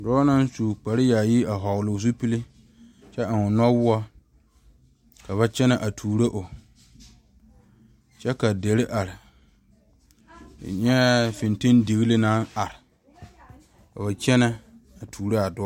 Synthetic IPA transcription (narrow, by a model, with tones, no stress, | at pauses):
dɔː˦na˦n˦suː˨k͡pa˨ɾɪ˦ja˨ji˦a˨ɦɔ˨ɣlʊ˨s̬u˦pi˦li˦ | t͡ʃɛ˦a˨ŋʊ˨nɔ˦wʊ˦a˦ | ka˨βa˦t͡ʃɛ˦na˨ʔa˨tʰuː˨ɾe˦ʔʊ˨ | t͡ʃɛ˦ka˨de˨ɾɪ˦ʔa˨ɾɪ˨ | ɲɛ˦fɪ˨nte˦ndɪ˨ɣi˦lɪ˦na˦na˨ɾɪ˨ | ka˨βa˨t͡ʃɛ˦na˦a˨tʰuː˨ɾa˦a˨dʊ˦